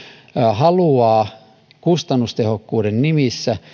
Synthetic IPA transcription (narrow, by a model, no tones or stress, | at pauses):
hɑluɑː | kust̪ɑnːust̪ehokːuːdennimisːæ